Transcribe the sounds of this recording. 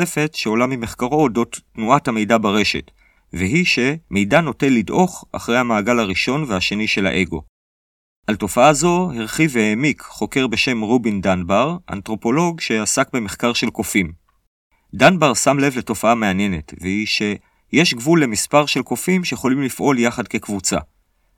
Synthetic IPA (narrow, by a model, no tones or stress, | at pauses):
efe̞tʃeo̞lamime̞χkaʁo̞do̞tːnuathame̞jdabaʁe̞ʃe̞̰t | veɦiʃe̞me̞jdano̞tenlːidʔo̞χa̰χʁejhamaːɡalaʁiʃo̞nveaʃe̞niʃe̞la̰ʔe̞ɡo̞̰ | ʔalto̞faazo̞hiʁχivehemikχo̞ke̞ʁbe̞ʃe̞mʁobindanbaʁʔa̰ntʁo̞po̞lo̞ɡʃe̞asakbe̞me̞χkaʁʃe̞lko̞fim | danbaʁsamle̞vleto̞faame̞anje̞ne̞tveiʃe̞ | je̞ʃɡvulːe̞mispaʁʃe̞lko̞fimʃejeχo̞limlifʔo̞ljaχadke̞kvut͡sa̰